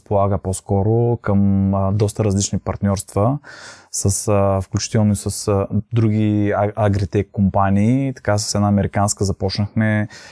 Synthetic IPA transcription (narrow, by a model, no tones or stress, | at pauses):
spolˠaɡəposkɔɾokəmd̪ɔst̪əɾɐzlit͡ʃnipɐɾt̪nʲɔɾst̪vəsəsfklʲut͡ʃi̥t̪ɛlˠnoisəsd̪ɾuɡ̟iɐɡɾit̪ɛkːompaniːt̪ɐ̥kas̬ə̥sɛd̪aɐmɛɾikanskəzɐpɔt͡ʃnəxmɛ